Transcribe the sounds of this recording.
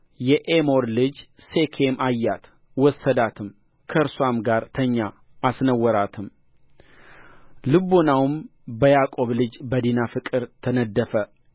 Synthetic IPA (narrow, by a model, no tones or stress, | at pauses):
jɛʔemo̞ɾlɨd͡ʒse̞kʰemajːat̪ | wɔsːəd̪at̪ʰɨm | kʰəɾswamɡaɾt̪ʰəɲːaː | snəwːɔɾat̪ʰɨm | lɨbonawmbəjakʼo̞βlɨd͡ʒbəd̪inafɨkʼɨɾt̪ʰənəd̪ːəfə